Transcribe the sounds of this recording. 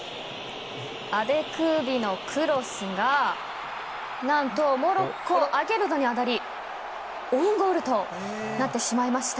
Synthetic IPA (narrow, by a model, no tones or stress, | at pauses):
abe̞kɯ̟ːbʲino̞kʰɯ̟ɾo̞sɨɡa | nãnt̪o̞mo̞ɾo̞kːoʔaɡe̞ɾɯ̟no̞ɲ̟iad̪aɾʲi | õŋɡoɾɯ̟t̪o̞ | nat̪ːe̞ɕimaimaɕi̥t̪a